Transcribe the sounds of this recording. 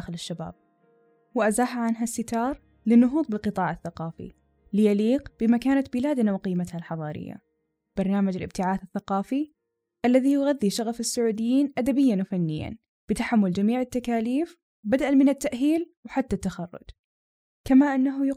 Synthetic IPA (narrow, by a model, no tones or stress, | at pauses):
xɪlɪʃːaba̰ːb̚ | wʔazaːɦaʕanɦasːɪt̪ɑːɾˤ | lɪnːʊɦuːt̪ˤbɪlqɨt̪ˤɑːʕaθːaqɑːfḭ | lɪjaliːqb̥ɪmakaːnat̪bɪlaːd̪nawqiːmat̪halħɑðˤɑːɾɪ̰jːa̰ | b̥ɑɾˤnaːmad͡ʒɪlʔɪb̚t̪ɪʕaːθɪθːaqɑːfi | ʔalːaðijʊɣaðːiʃaɣafɪsːʊʕuːd̪ɪjːiːnʔad̪abɪjːanwfanːɪjːa̰n | b̥ɪt̪aħamːʊld͡ʒamiːʕɪt̪ːakaːliːf | bad̪ʔalmɪnɪt̪ːaʔɦiːlwħat̪ːat̪ːaxɑrˤːʊ̰d̪ | kamaʔɪnːaɦj